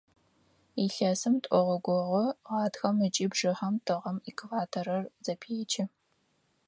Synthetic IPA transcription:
iɬɐsɨmtʷʼʔʷɔʁɔɡʷɔʁʷɔʁɑːtxɐmɨt͡ʃʼiːbʐɨχɐmtʰɨʁɐmikʰvaːtʰɐɾɐrzɐpʰeːt͡ʃʰɪ

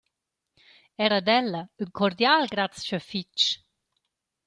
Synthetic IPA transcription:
ɛɾəd̪ɛlːɐyŋkʰɔɾd̪jalɡɾat̪t͡st͡ʃɔfit͡ʃ

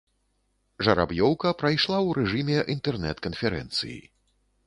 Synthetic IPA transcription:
ʐɐɾa̰bjɔwkɐpɾɐjʂlˠawɾɛʐɨmʲɛʔint̪ɛrnɛt̪kɐnfʲɛɾɛ̰nt̪sɨ̰jḭ

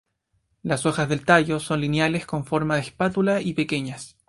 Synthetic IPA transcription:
laso̞xazðelt̪ajo̞so̞nlinjale̞sko̞ɱfo̞ɾmaðespat̪ulaipekeɲas

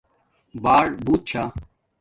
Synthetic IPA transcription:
baːɽbuːt̪̚t͡ɕʰaː

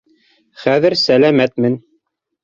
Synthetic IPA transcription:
χæðɘɾsælæmæt̪mɘn

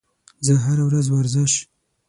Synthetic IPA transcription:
zəɦaɾawɾazwaɾzɪʃ

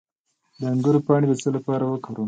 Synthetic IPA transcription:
d̪əaŋɡəɾopɑɽed̪ət͡səlapɑɾawəkaɾu

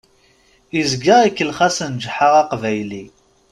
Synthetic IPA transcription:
izɡəʁikːəlχasənd͡ʒħaʁɑqvæjli

